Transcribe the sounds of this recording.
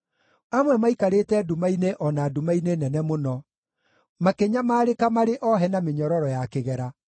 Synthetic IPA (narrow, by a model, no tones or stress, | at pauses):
amwɛmaikaɾetɛdumaineʔɔnaːdumainenɛnɛmonɔ | makeɲamaːɾekamaɾeʔɔɦɛnameɲɔɾɔɾɔjakeɣɛɾa